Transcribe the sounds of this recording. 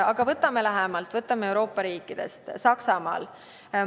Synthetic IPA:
ɑɡ̥ɑvɤt̪ːˑɑmelæɦemɑlt̪ˑvɤt̪ːˑɑmee̞wɾo̞ːpˑːɑɾiːkːˑid̪̥e̞̰st̪sɑksɑmɑ̰ːl

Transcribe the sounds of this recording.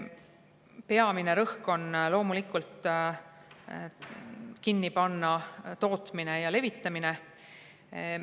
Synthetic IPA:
pe̞ɑmine̞ɾɤhko̞nlo̞ːmulikːˑult̪ˑ | kinːipɑnːɑt̪o̞ːt̪ˑmine̞jɑle̞vit̪ːˑɑmine

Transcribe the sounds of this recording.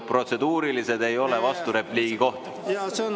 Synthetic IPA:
pro̞t̪se̞d̪̥uːɾilise̞d̪e̞jo̞le̞vɑst̪uɾe̞pliːɡ̥iko̞ht̪ɑse

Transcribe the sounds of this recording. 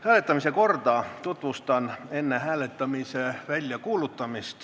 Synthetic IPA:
hæːlet̪ːɑmisekort̪ɑt̪ut̪ʋust̪ɑnenːehæːlet̪ːɑmiseʋælʲjækuːlut̪ːɑmist̪

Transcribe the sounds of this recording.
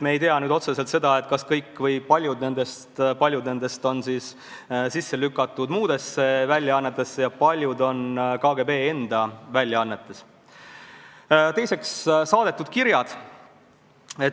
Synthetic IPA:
meːjt̪eɑnyːd̪o̞t̪se̞se̞lt̪se̞d̪̥ɑe̞t̪ˑkɑskɤjkːˑvɤjpɑlʲjud̪ne̞nd̪̥e̞st̪pɑlʲjud̪ne̞nd̪e̞st̪o̞nsiːs | sisːe̞lykːˑɑt̪ːˑud̪̥muːd̪e̞sːe̞vælʲjɑɑnːet̪ːˑe̞sːejɑpɑlʲjud̪o̞nkɑːɡe̞be̞ːe̞nd̪̥ɑvælʲjɑɑnːet̪ːˑe̞s | t̪e̞jse̞kssɑːd̪̥e̞t̪ːˑud̪̥kiɾjɑd̪̥ | e

